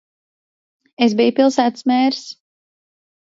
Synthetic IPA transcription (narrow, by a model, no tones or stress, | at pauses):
esbijupilˠsæːt̪smɛːɾs